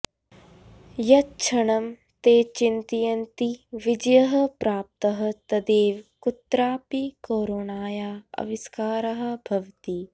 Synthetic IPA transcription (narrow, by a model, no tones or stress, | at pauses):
jɐt͡ʃʰɐɳɐm | t̪eːt͡ʃint̪ijɐnt̪iʋid͡ʒɐjɐɦɐ̆pɾaːp̚t̪ɐɦɐ̆t̪ɐd̪eːʋkut̪ɾaːpikoːɾoːnaːjaːɐ̰ʋiskaːɾɐɦɐ̆bʱɐʋt̪i